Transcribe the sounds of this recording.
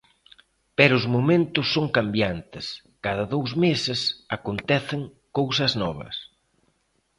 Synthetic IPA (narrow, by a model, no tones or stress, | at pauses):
pɛɾʊʊzmomẽnt̪ʊsːoŋkambjant̪ɪs | kaðɐðowzmesɪsakont̪ɛθɪŋ | kowsɐznɔβɐ̰s